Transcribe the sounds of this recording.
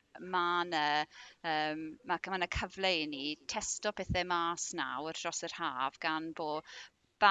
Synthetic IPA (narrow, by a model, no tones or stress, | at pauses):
manəːəːmːakʰmanəkʰəvlejnitʰɛstɔpʰɛθɛmaːsna̰wərd̥rɔsər̥haːvɡ̥anboː | b̥a